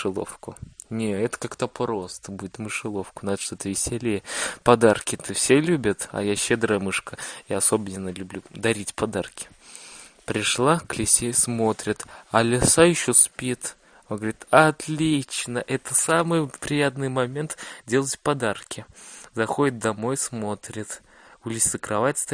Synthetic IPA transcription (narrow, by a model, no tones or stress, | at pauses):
ɨlˠo̰fkʊnʲeɛt̪ə̥kakt̪apɾo̞st̪əbudʲɪt̪mɨʂɨlˠo̞fkʊnad̪əʂt̪ot̪əvʲɪsʲelʲejəpɐd̪arkʲɪt̪əfsʲelʲubʲət̪ɐ̰jaɕːed̪ɾəjəmɨʂkəjaɐsobnʲɪnəlʲʊblʲud̪ɐɾʲitʲpɐd̪arkʲɪ̥ | pɾʲɪʂlˠaklʲɪsʲesmo̞t̪ɾʲɪt̪ɐlʲɪsajɪɕːospʲit̪ | onɡəvəɾʲit̪ɐt̪lʲit͡ɕnəʔɛt̪əsamɨjpɾʲɪjat̪nɨjmɐmʲe̞nt̪dʲe̞lˠətʲpɐd̪arkʲɪzɐxodʲɪt̪̚d̪ɐmo̞jsmo̞t̪ɾʲɪt̪ | ʊlʲɪsʲəkɾɐvatʲst̪